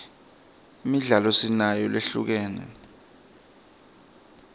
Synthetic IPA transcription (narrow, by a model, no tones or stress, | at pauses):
imiɮalɔsinajɔleɬṵk̬ɛːnɛ̰